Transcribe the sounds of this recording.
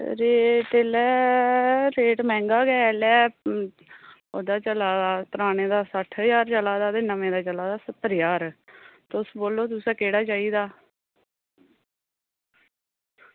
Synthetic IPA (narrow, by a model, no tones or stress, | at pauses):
ɾeːʈeːlɛː | ɾeːʈmɛ̃ːŋɡaːɡɛːlɛː | oːd̪aːt͡ʃəlaːdaːt̪əɾaːneːd̪aːsəʈʰjaːɾt͡ʃəlaːd̪aːd̪ɪnamẽːd̪aːt͡ʃəlaːd̪aːsət̪ːəɾjaːɾt̪ʊsboːlːoːt̪̬ʊsɛ̃ːkeːɽaːt͡ʃaːiːd̪aː